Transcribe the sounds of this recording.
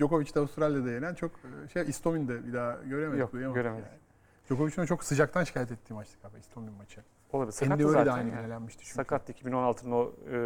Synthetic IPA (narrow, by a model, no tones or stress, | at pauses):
d͡ʒo̞ko̞vit͡ʃd̪ɛavust̪ɾalʲjad̪ajeɾænt͡ʃʰo̞kɯʃejist̪ʰo̞mind̪ɛbid̪aːɟø̞ɾemezd̪ujamaøɾemːn | d͡ʒo̞ko̞vit͡ʃʰinut͡ʃʰo̞ksɯd͡ʒak̚t̪ʰanʃi̥cʰaːjɛt̪ɛt̪ʰːiːmat͡ʃlˠɯkabɛist̪ʰo̞minmat͡ʃʰɯ | olˠabisɛnimøled̪ajnɯɡynelʲænmiʃt̪ʰi̥t͡ʃʰyɲakat̪ːˠicʰibino̞nalˠt̪ʰɯno